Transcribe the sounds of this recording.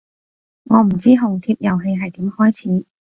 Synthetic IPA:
ŋɔː˨˧m̩˨˩t͡siː˥ɦʊ˨˩ŋt̪ʰiː˧p̚jɐ˨˩wɦe˧jɦɐ˨jt̪iː˨˥mhɔː˥jt͡sʰiː˨˥

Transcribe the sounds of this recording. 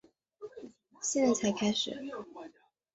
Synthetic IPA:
ɕɛ˥˩n˨˩t͡sʰa˨˧˥ɪkʰa˥ɪʂɻ̩̰˨˩˦

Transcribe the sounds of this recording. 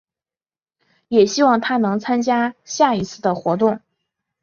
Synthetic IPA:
jɛ˨˩ɕi˥wɑ˥˩ŋt̪ʰa˥nɤ˧˥ŋt͡sʰa˥nt͡ɕja˥ɕja˥˩i˧˥t͡sʰɹ̩˥˩d̪ə˩xwɔ˧˥t̪̬ʊ˥˩ŋ

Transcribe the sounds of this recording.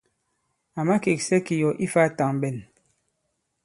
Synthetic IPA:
a˨ma˦ke˨ksɛ˦ki˨jɔ˨ʔi˦fa˦ta˨ŋbɛ˨n

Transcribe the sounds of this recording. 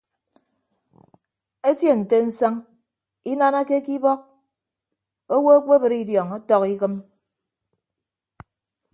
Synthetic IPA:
e˦tje˦˨n̩˨te˦n̩˦sa˦ŋ | i˦na˦na˦ke˦ki˦bɔ˦k̚ | o˦wo˦e˦k͡pe˦bɨ˨ɾi˦djɔ˨ŋo˦tɔ˦ki˦kɨ˦m

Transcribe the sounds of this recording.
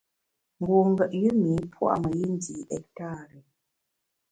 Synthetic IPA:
ŋ˦ɡo˨ŋ˦ɡə˨ʔjɨ˦mi˨˦pʰwa̰˦˨mə˨ji˦n˦di˨ʔɛ˨k̚ta˦˨ɾɛ˨

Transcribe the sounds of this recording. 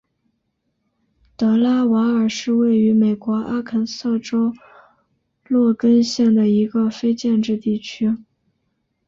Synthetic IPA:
t̪ɤ˧˥la˥wa˧˥ə˞˨˩ʂɻ̩˥˧we˥˩ɪy˧˥me˨˩ɪkwɔ˧˥ʔa˥kʰə˨˩nsɤ˥˩ʈ͡ʂo˥ʊ | lwɔ˥˩kə˥nɕjɛ˥˩ŋd̪ə˩i˧˥ɡə˧fe˥ɪt͡ɕjɛ˥˧nʈ͡ʂɻ̩˥˧t̪i˥˩t͡ɕʰy˥

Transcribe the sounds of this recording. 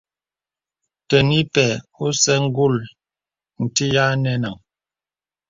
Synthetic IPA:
tə˨ni˦pɛ˨o˦sɛ˦ŋ̩˦ɡu˦˨l | n̩˨ti˦ja˦nɛ˦na˨ŋ

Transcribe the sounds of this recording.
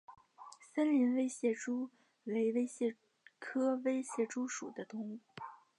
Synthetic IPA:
sə˥nli˧˥nwe˥ɪɕjɛ˥˩ʈ͡ʂu˥ | we˧˥ɪwe˥ɪɕjɛ˥˩ | kʰɤ˥we˥ɪɕjɛ˥˩ʈ͡ʂu˥ʂṵ˨˩d̪ə˦t̪ʊ˧˥ŋu˥˩

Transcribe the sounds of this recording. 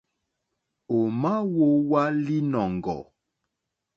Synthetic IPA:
o˨ma˦wo˦wa˦li˦nɔ˨ŋɡɔ̰˨

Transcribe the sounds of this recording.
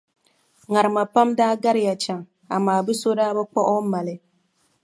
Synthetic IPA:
ŋa˨ɾɨ˨ma˨pa˦mdaː˦ɡa˦ɾɪ˦ja˨t͡ʃa˨ŋ | a̰˨maː˨bɨ˦so˦daː˦bɛ˦k͡pɔ˦ʔɔ˦ma˨lɪ˦

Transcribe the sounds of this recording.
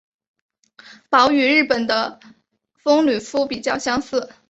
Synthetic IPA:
pɑ˧˥ʊy˨˩ɻɻ̩˥˩pə˨˩nd̪ə˦ | fɤ˥ŋly˨˩fu˥pi˨˩t͡ɕjɑ˥˩˧ʊɕjɑ˥ŋsɹ̩˥˩

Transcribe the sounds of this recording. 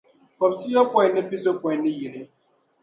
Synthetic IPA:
kɔ˨psi˦jo˦kʷe˨ne˦pi˦zo˦kʷe˨ne˦ji˨ɾe˨

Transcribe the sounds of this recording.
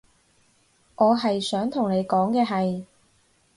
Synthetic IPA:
ʔɔː˨˧ɦɐ˨jsœː˨˥ŋt̪ʰʊ˨˩ŋne˨˧jkɔː˨˥ŋkɛː˧ɦɐ˨j

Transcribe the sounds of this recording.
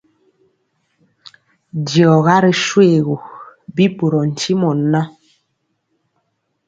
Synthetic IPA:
djɔ˨ɣa˦ɾɛ˨ʃwe˦˨ɣu˨bi˦bu˨ɾɔ˨n̩˨t͡ʃi˦mɔ˨nːa˦

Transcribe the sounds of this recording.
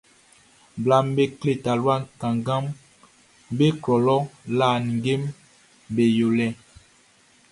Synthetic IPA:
bla˨mbe˦kle˨ta˨lwa˦˨kã˨ŋɡa˦m | be˦klɔ˨lɔ˦la˦˨n˨ŋ˨ɡe˦m | be˨jo˨lɛ˦˨

